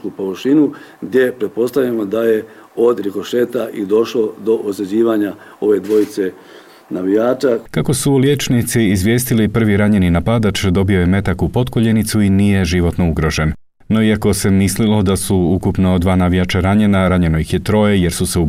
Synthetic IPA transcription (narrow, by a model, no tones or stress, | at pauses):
kupoʋʃinuɡd̪je̞pɾet̪̚po̞st̪aʋlʲamod̪aje̞ | od̪ɾikoʃet̪aʔid̪o̞ʃlo̞d̪o̞ʔozed͡ʑiːʋaɲa | o̞ʋe̞d̪ʋo̞jit̪se̞ | naʋijaːt͡ʃakako̞sulje̞t͡ʃnit̪siːzʋje̞ːst̪ilipr̩ʋiɾaɲe̞ninapad̪at͡ʃd̪o̞bio̞je̞me̞t̪akupo̞t̪koʎe̞nit̪suinije̞ʒiʋo̞t̪no̞uɡɾo̞ʒe̞nː | o̞iako̞se̞mislilo̞d̪asuukupno̞d̪ʋaːnaʋijat͡ʃaɾaɲe̞naɾaɲe̞no̞jixjet̪ɾo̞jeje̞ɾsuseu